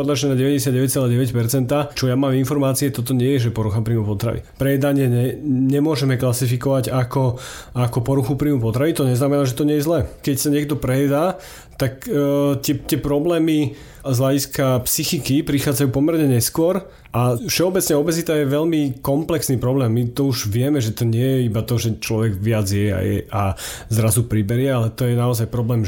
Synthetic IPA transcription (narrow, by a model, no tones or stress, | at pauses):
ɔd̪laʒɛnaɟɛʋɛɟɛsɪjad̪ɟɛʋɛc̚t͡sɛlaːɟɛʋɛcpɛɾt͡sɛnt̪at͡ʃɔjamaːminfɔɾmaːt͡siɛt̪ɔt̪̬ɔɲɪɛjɛʒɛpɔɾuxapɾiːmupɔt̪ɾa̰ʋḭpɾɛjɛd̪aɲɪɛɲɛɲɛmʊɔʒɛmɛklasifikɔʋaɟakɔakɔpɔɾuxupɾiːmupɔt̪ɾaʋit̪ɔɲɛznamɛnaːʒɛt̪ɔɲɪɛjɛzlɛkɛcsaɲɪɛɡd̪ɔpɾɛjɛd̪aː | t̪akːt̪ɛt̪ɪɛpɾɔblɛːmi | zɦlaɟiskapsixikipɾixaːd͡zajuːpɔmɛɾɲɛɲɛskʊɔɾ | ʔafʃɛɔbɛt͡sɲɛɔbɛzit̪ajɛʋɛʎmikɔmplɛksniːpɾɔblɛːmːit̪ɔuʒʋɪɛmɛʒɛt̪ɔɲɪɛjɛibat̪ɔʒɛt͡ʃlɔʋɛɡʋɪad͡zjɛa̰jɛ̰ʔa | zɾazupɾibɛɾɪɛalɛt̪ɔjɛnaɔzajpɾɔblɛːm